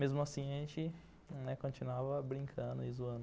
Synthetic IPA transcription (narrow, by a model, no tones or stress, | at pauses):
mezmʊasĩɐʒẽt͡ʃɪ | nɛkõt͡ʃinuavɐbɾĩŋkʰɐ̃nd̪ʊizuɐ̃nd̪ʊ